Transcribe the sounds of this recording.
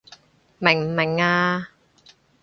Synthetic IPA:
mɪ˨˩ŋm̩˨˩mɪ˨˩ŋaː˧

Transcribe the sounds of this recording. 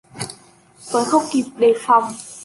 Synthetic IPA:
t̪o˧˩jxə˧wŋ͡mki˨˩p̚ɗe˨˩fa˨˩wŋ͡m

